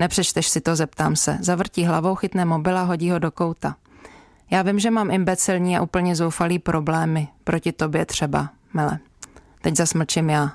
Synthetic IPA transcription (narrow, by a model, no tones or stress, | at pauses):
nɛpr̥ɛt͡ʃt̪ɛʃsɪt̪o̞zɛp̚t̪aːmsɛ̰zavr̩ciːɦlavo̞wxɪt̪nɛːmo̞bɪlaɦo̞ɟiːɦo̞do̞ko̞wt̪a | jaːvɪmʒɛmaːmʔɪmbɛt͡sɪlɲiːa̰ʔuːpl̩ɲɛzo̞wfaliːpɾʔo̞blɛːmɪpɾo̞cɪt̪o̞bjɛt̪r̝̥ɛba̰ | mɪlɛ̰ | t̪ɛɟzasml̩t͡ʃɪmjaː